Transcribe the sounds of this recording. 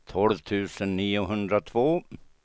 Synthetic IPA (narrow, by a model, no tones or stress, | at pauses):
t̪ʰɔlvt̪ʰʉ̟ːsənːiːʊɦɵnd̪ɾat̪ʰvoː